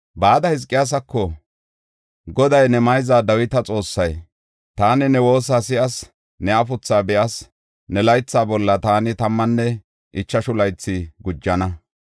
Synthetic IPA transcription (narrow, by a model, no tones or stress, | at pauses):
baːd̪ɐhɪzkʼːɪjas̬ɐkːɔ | ɡɔd̪ɐjnɛmɐjzaːd̪ɐwɪt̪ɐt͡sʼo̞ːsːɐj | t̪aːnɪnɛwo̞ːs̬aːsɪʔɐs | nɛɐfʊt͡sːaːbɛʔɐs | nɛlɐjt͡sːaːbɔlːɐt̪aːnɪt̪ɐmːɐnːɛ | ʔɪt͡ʃːɐʃʊlɐjt͡sːɪɡʊd͡ʒːɐnɐ